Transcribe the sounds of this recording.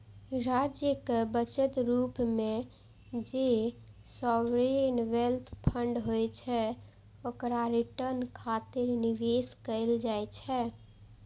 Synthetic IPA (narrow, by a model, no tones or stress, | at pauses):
ɾad͡ʒjəkebət͡ʃət̪ɾupmẽ | d͡ʒesɔʋɾenʋelt̪ʰpʰə̃ɳɖɦojt͡ʃʰɛ | okɾaɾiʈəɾnkʰat̪ɪɾniʋeskəɪld͡ʒajt͡ʃʰɛ